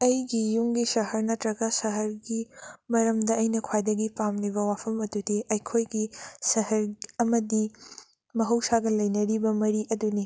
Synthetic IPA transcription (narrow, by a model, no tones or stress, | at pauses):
ɐjɡijuŋɡisɐɦɐɾnɐtɾɐɡɐsɐɦɐɾɡimɐɾɐmdɐɐjnɐkʰwajdɐɡipamnibɐwapʰɐmɐdudiɐjkʰojɡisɐɦɐɾɐmɐdi | mɐɦɐwsaɡɐlɐjnɐɾibɐmɐɾiʔɐduni